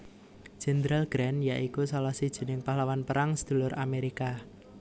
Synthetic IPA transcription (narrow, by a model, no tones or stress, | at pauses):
ʒ̥ɛ̤nd̪ɾalɡ̥ɾɛnjaʔikusalahsid̥ʒ̥i̤nɪŋpahlawanpəɾaŋsə̥d̪̥ṳlʊɾameɾika